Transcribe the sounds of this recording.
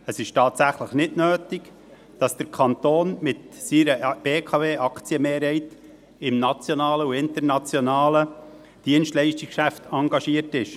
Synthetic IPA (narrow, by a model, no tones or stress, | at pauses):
əsɪʃtɑːtsæχləχnɪtnøːtɪk | d̥ɑsd̥əɾkʰɑnt̪oːnmɪtsiːɾəb̥eːkʰɑveːʔɑkt͡siəmeːɾhɛɪt | ɪmnɑt͡sjonɑːləuɪnt̪əɾnɑt͡sjonɑːlə | d̥iənstlɛɪʃtɪkkʃæftʰɑŋɡɑʃiətɪʃ